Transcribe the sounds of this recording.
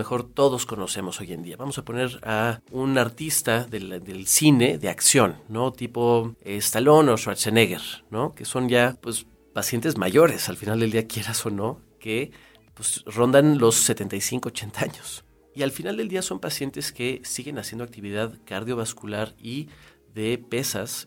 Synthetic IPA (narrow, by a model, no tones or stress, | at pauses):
mexo̞ɾt̪o̞ðo̞sko̞no̞se̞mo̞so̞je̞̰nd̪iaβamo̞sapo̞ne̞ɾaunaɾt̪ist̪aðeðelsine̞ðe̞a̰ksjo̞nːo̞t̪ipo̞est̪alo̞no̞ʃwaseneɣe̞ɾno̞ke̞so̞nʝapwe̞s | pasje̞nt̪e̞zma̰ʝo̞ɾe̞salfinald̪eld̪iakje̞ɾaso̞no̞ | ke | pwesro̞nd̪anlo̞sːe̞t̪ent̪ajsiŋko̞ot͡ʃe̞nt̪aaɲo̞s | ialfinald̪eld̪iaso̞mpasje̞nt̪e̞ske̞siɣe̞nasjend̪oak̚t̪iβiðaðkaɾðjo̞βaskulaɾi | ðe̞pe̞sa̰s